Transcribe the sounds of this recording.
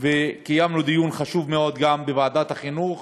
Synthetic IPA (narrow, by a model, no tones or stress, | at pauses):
vekajamlod̪ijunχaʃuvmeo̞d̪ɡambevaːd̪at̪haχinuχ